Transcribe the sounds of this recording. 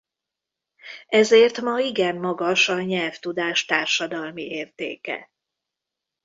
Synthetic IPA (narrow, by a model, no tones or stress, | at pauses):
ɛzeːrt̪mɒiɡɛmːɒɡɒʃɒɲɛlft̪ud̪aːʃt̪aːrʃɒd̪ɒlmiʔeːrt̪ḛːkɛ̰